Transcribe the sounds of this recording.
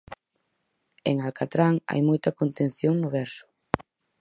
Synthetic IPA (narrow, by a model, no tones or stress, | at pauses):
eŋalkat̪ɾaŋa̰jmojt̪ɐkont̪ẽnθjoŋnʊβɛɾsʊ̥